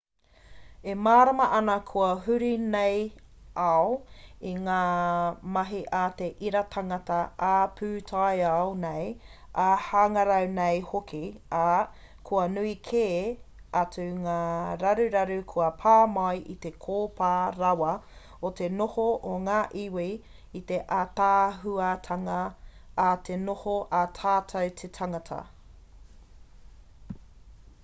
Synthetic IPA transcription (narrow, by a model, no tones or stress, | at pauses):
emaːɾɐmɐʔɐnɐkʰuɐɦʉɾinejɐoiŋaːmɐɦiʔat̪eʔiɾɐt̪ʰaŋɐt̪ɐapʰʉːtʰajawnejahaŋɐɾɐwnejhokia | kʰuɐnuikʰeː | ɐt͡suŋaːɾɐɾʉɾɐɾʉkʰuɐpʰaːmɐjʔit̪e̞kʰoːpaːɾɐwɐ | ot̪enohoʔoŋaːʔiwi | it̪eʔat̪aːɦuɐt̪ʰɐŋɐː | t̪ʰenohoʔɐt̪ʰaːtʰɐwt̪ʰetʰɐŋɐtʰɐ̰